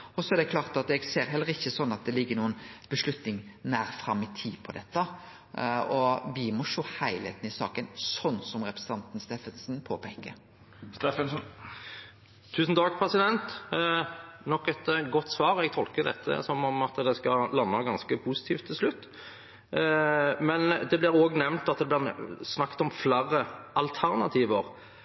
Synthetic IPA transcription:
ɔsɔɛd̪ɛklɑːʁt̪ɑt̪ɛɡseːɾɦɛlːəʁɪçːəsɔnːɑt̪̚d̪ɛlɪɡːənuːənb̥əʂlʉt̪nɪŋnæːɾfɾɑmːɪt̪ʰiːpʰɔd̪ɛt̪ːə | ɔʋɪmɔʂoːhæɪlḛːt̪nɪsɑ̰ːkənsɔnːsɔmʁɛpɾəsə̥ɑnt̪n̩st̪eːfənsnpʰoːpʰeːkə̰ɾ | st̪eːfənsn | t̪ʰʉːsnt̪ʰɑːɡ̚pʰɾɛsɪd̪ɛnt̪ | nɔkːɛt̪ɡɔt̪ːsʋɑːɾɛɡt̪ʰɔlkəd̪ɛ̰t̪ʰːə̰sɔmɔmɑt̪d̪ɛskɑlɑnːəɡɑnskəpʰusɪt̪ʰiːft̪ʰːɪlslʉt̪ː | mɛnd̪ɛblɪɾoːɡnɛʋnt̪ɑt̪̚d̪ɛblɪʁsnɑkːt̪ɔmflæːɾəʔɑlt̪ʰæʁnɑt̪ʰiːʋəɾ

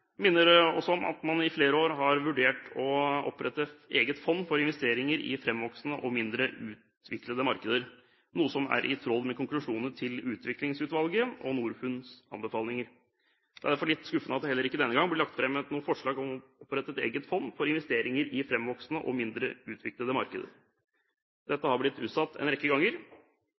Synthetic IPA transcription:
mɪnːəɾɛɔsːɔɔmɑ̰t̪mɑnɪfleːɾəoːɾɦɑɾʋʉɖeːʈɔɔ̰pːɾɛt̪ːəeːɡət̪fɔnːfɔɾɪnʋɛst̪eːɾɪŋəɾɪ̰fɾɛmʋɔksnəʔɔmɪnd̪ɾəʉːt̪ | ʋɪkləd̪əmɑɾkəd̪əɾ | nuːəsɔmæ̰ɾʔɪ̰t̪ʰɾɔlːmɛkʰʊŋklʉʂuːnəʈʰɪlʉːt̪ʰʋɪklɪŋsʉːt̪ʋɑlɡəʔɔnuːɾfʉnsɑ̰nbəfɑːlnɪŋəɾ | ɛæɾd̪æɾfɔɭɪt̪ːskʉfənəɑt̪d̪ɛhɛlːəɾɪkːəd̪ɛnːəɡɑŋblɪlɑk̚t̪fɾɛmːɛt̪nuːəfɔʂɭɑːɡɔmɔpɾɛt̪ːət̪ḛːɡət̪fɔnːfɔɾɪnʋɛst̪eːɾɪŋəɾɪfɾɛmʋɔksnəʔɔ̰mɪnd̪ɾəʉːt̪ʰʋɪkləd̪əmɑ̰ɾkə̰d̪ə̰ɾ | d̪̥ɛt̪ːəhɑblɪt̪ːʉːt̪sɑt̪ːɛ̰nɾɛkːəɡɑŋːəɾ

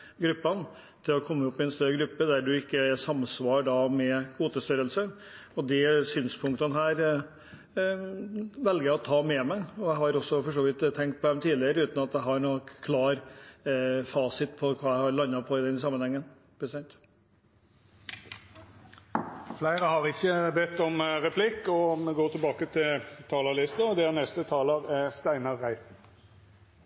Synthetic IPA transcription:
ɡɾʉpːɑn | t̪ʰɪlɔkʰɔmːəʊpːɪɛnst̪œɾəɡɾʉpːəd̪æɖʉɪkːəsɑmsʋɑːɾɖɑmɛuːt̪əst̪œɾəlsə | ɔd̪ɛsyːnspʰʊŋkt̪ənəɦæːɾ | ʋɛlɡəjæɔt̪ʰɑːmɛmæɪɔæɪhɑɾɔsːɔfɔɾʂoːʋɪt̪ʰːɛŋkt̪̚pʰɔd̪ɛmt̪ʰiːlɪəɾəʉːt̪n̩ɑt̪d̪æɪɦɑɾɳɔkkʰlɑːɾ | fɑːsɪt̪pʰɔkʰʋɑːæhɑɾɭɑnːɑpʰɔɪd̪ɛnsɑmːənhɛŋːən | pʰɾəssɑnt̪ | flæɪɾəhɑɾɪçːəbɛt̪ːɔmʁɛpʰlɪkːɔmɛɡoːt̪ʰɪlbɑːkət̪ʰɪlt̪ʰɑːləɭɪst̪əɔd̪ɛæɾnɛst̪ət̪ʰɑːləʁɛst̪æɪnɑɾːæɪt̪n̩

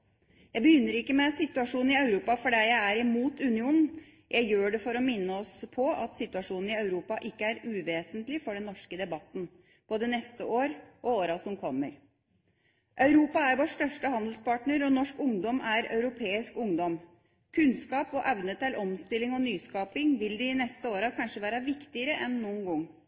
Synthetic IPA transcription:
jæɪbəjʏnːəɾɪkːəmɛsɪt̪ʉɑʂuːn̩ɪɑʉɾuːpɑfɔɖæɪjæɪæɾɪmuːt̪ʉnɪuːnn̩ | jʔæɪjøːɖɛfɔɾɔmɪnːəɔspʰɔɑt̪sɪt̪ʉɑʂuːnn̩ɪɑʉɾuːpɑʔɪkːəæɾʉːʋeːsənt̪lɪfɔɖɛnːɔʂkəd̪ɛbɑt̪ːn̩ | b̥oːd̪ənɛst̪əʔoːɾʔɔoːɾɑsɔmkʰɔmːəɾ | ʔœʉɾuːpɑæɾʋoːʂʈœʂʈəhɑnd̪lspɑːʈɳəɾɔnɔʂkʊŋd̪ɔmæɾœ̰ʉɾʊpʰeːɪskʊŋd̪ɔm | kʰʉnskɑːpɔʔɛʋnət̪ʰɪlʔɔmst̪ɪlːɪŋɔnyːskɑːpɪŋʋɪld̪ɪɪnɛst̪əoːɾɑkʰɑnʂəʋæːɾɑʋɪkt̪ɪəɾəʔɛnːuːənɡɔŋː

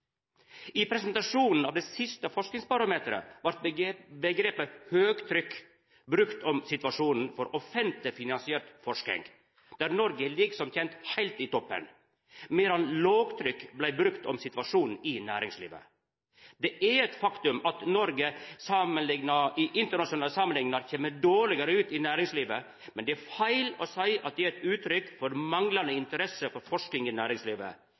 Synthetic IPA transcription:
ɪpʰɾɛsənt̪ɑʂuːnn̩ɑːʋd̪ɛːsɪst̪əfɔʂknɪŋspɑɾɑmeːt̪əɾə̰ʋɑɾt̪bəɡɾeːpəhøːɡt̪ʰɾʏkː | bɾʉkt̪ʰɔmsɪt̪ʋɑʂuːnn̩fɔɾɔfɛnt̪lɪfɪnɑnsɪɛɾt̪fɔʂk̪ɪ̰ŋ | d̪̥æːɾnɔɾɡəlɪɡsɔmt̪ʰɛnt̪hæɪlt̪iːt̪ʰɔpːə̰n | meːɾɑnloːɡt̪ʰɾʏkːblæɪbɾʉkt̪ɔ̰msɪt̪ʋɑʂuːnn̩ɪnæːɾɪŋslḭːʋə̰ | d̪ɛʔæɾɛt̪fɑkt̪ʉmɑt̪nɔɾɡəsɑmənlɪŋnɑɪʔɪnt̪əɳɑʂʊnɑːləsɑːmənɪŋnɑɾçeːməɖoːɭɪɡəɾəʉːt̪ɪnæːɾɪŋsliːʋə | mɛnd̪ɛæɾfæɪlɔsæɪɑ̰t̪̚d̪ɛæɾɛt̪ʉːt̪ɾʏkːfɔɾmɑŋlɑnd̪əɪnt̪əɾɛsəfɔɾfɔʂkɪŋɪnæːɾɪŋsliːʋə̰

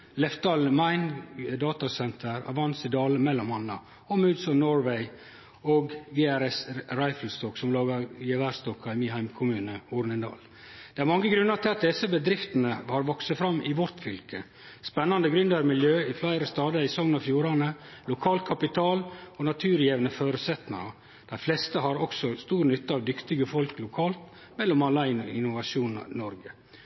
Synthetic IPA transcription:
lɛft̪ɑlmɑɪnd̪ɑːt̪ɑsɛnt̪ʰəɾɑ̰ʋɑnsɪd̪ɑːləmɛlːɔmɑnːɑ̰ | ɔmʉd̪sɔnɔɹʋɛɪ | oːɡɡeːæɾɛsɾɑɪfl̩st̪ɔksɔmlɑːɡɑjɛʋæst̪ɔkːɑɪmɪɦæɪmkʰʊmʉːnəuːɾnɪnd̪ɑ̰ːl | d̪̥ɛæɾmɑŋːəɡɾʉnːɑɾt̪ʰɪlɑt̪̚d̪ɛsəbəd̪ɾɪft̪ənəhɑɾʋɔksəfɾɑmːʔɪʋɔɾt̪fʏlkə | spɛnːɑnd̪əɡɾʉnd̪əɾmɪljøːɪflæɪɾəst̪ɑːd̪əɪsɔŋnɑfjuːɾɑnəlʊkʰɑːlt̪̚kʰɑpɪt̪ʰɑːlɔnɑt̪ʰʉːɾjeːʋnəføːɾʉsɛt̪nə̰ɾɑ | d̪̥æɪflɛst̪əɦɑɾɔksɔst̪uːɾnʏt̪ːəɑʋd̪ʏkt̪ɪɡəfɔlklʊkʰɑːlt̪ | mɛlːɔmɑlːɑɪɪnʊʋɑʃuːnnɔɾɡə

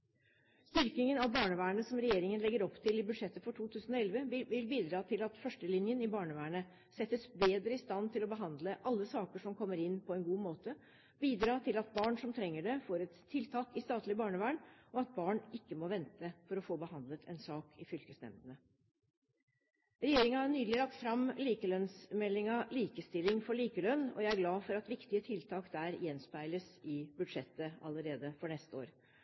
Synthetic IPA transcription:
st̪ʏɾkɪŋənɑʋbɑːɳəʋæːəɳəsɔmɾɛjeːɾɪŋənlɛɡəɾɔpt̪ʰɪlɪbʉd̪ʂɛt̪ːəfɔʈʰuːt̪ʰʉːsən̩ɔɛlʋəʋɪlbiːd̪ɾɑːt̪ʰɪlɑt̪fœʂʈəlɪnjənɪbɑːɳəʋæːɳə | sɛt̪ːəsbeːd̪ɾəɪst̪ɑnt̪ʰɪlɔbəɦɑnd̪ləʔɑlːəsɑːkəʂɔmkʰɔmːəɾɪnːpʰɔɛnɡuːmoːt̪ə | biːd̪ɾɑːt̪ʰɪlɑt̪̚bɑːɳʂɔmt̪ʰɾɛŋːəɖɛfoːɾɛt̪ʰːɪlt̪ʰɑːkɪst̪ɑːt̪lɪbɑːɳəʋæːɳɔɑt̪̚bɑːɳɪkːəmɔʋɛnt̪əfɔɾɔfoːbəhɑnd̪lət̪ʰɛ̰nsɑːkʰɪfʏlkəsnɛ̰md̪ənə | ɾɛjeːɾɪŋɑhɑɳyːd̪lɪlɑk̚t̪fɾɑmliːkəlœnsmɛlːɪŋɑliːkəst̪ɪlɪŋfɔɭiːkəlœnːɔ̰jæɪæɾɡlɑːfɔɾɑt̪ʋɪkt̪ɪət̪ʰɪlt̪ʰɑːkd̪æːɾjɛnspæɪləsɪbʉd̪ʂɛt̪ːəɑlːəɾeːd̪əfɔɳɛst̪əo̰ːɾ

